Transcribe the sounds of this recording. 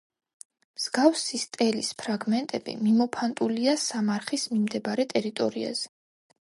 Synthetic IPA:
mz̥ɡafsist̪ʼɛlispʰɾaɡmɛnt̪ʼɛbḭmimɔpʰant̪ʼuliasamaɾχismimd̪ɛbaɾɛt̪ʼɛɾit̪ʼɔɾia̰z̥ɛ

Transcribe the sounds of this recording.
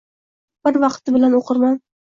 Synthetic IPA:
b̥ɪɾvɑqt̪ɪbɪlanoqʰɨɾman

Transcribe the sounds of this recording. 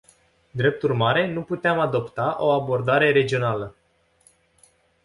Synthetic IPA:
d̪ɾe̞p̚t̪urmaɾe̞nuput̪eamad̪o̞pt̪aʔo̞abo̞rd̪aɾe̞ɾe̞d͡ʒio̞nalə

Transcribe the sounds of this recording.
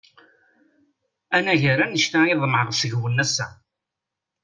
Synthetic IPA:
ænæʝəɾænəʃt̪æiðˤmʕəʁsəʝwənːæsːæ̰

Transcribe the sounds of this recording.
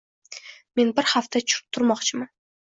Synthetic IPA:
me̞nbɪɾhaft̪ʰat͡ʃʰʊ̥ɾɪ̥p̚t̪ʰʊɾmɒqt͡ʃʰɪman

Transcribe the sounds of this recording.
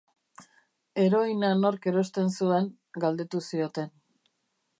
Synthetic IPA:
e̞ɾo̞inano̞ɾke̞ɾo̞st̪e̞nsue̞ŋ | ɡald̪e̞t̪usio̞t̪e̞n

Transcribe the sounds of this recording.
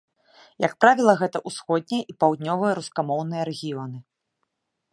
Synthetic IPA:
jɐkpɾavʲilˠɐɣɛt̪ɐʔusxɔd̪̚ʲnʲɛjɛʔipawd̪̚ʲnʲɔvɨjɐɾuskamɔwnɨjɐɾɛɣʲijɔnɨ

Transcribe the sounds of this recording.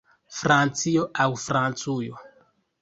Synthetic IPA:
fɾant͡sioʔawfɾant͡sujo

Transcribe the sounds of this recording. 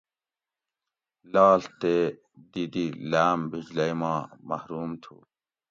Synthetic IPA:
laːlt̪eː | d̪id̪ilaːmbid͡ʑlɐjmɑ̃ːmɐhɾuːmt̪ʰṵː

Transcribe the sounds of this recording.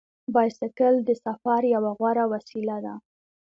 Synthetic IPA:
bɑjsɪkəld̪əsafɑɾjawaɣwaɾawasilad̪a

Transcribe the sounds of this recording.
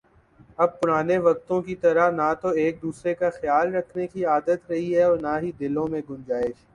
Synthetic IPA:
ɐb̚pʊɾaːneʋɐk̚t̪õkit̪ɐɾanat̪oeːk̚d̪uːsɾekaxjaːlɾɐkʰnekiaːd̪ət̪ɾɐɦiɦɛɔːɾnaɦid̪ɪlõmẽɡʊ̃nd͡ʒaːɪʃ

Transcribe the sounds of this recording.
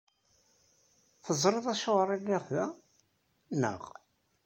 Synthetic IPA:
θəzˤɾeðˤæʃoʁɾˤilːɪʁðæ | nə̰ʁ

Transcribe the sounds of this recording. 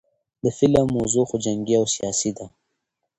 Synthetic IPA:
d̪əfɪlamːozuxod͡ʒaŋɡiawsijɑsid̪a

